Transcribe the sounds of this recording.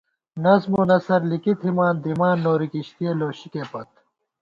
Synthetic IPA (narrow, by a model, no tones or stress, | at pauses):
nɐzmunɐsɐɾlikit̪ʰimaːnd̪imaːnːoːɾikiɕt̪ijeloːɕikepɐt̪̚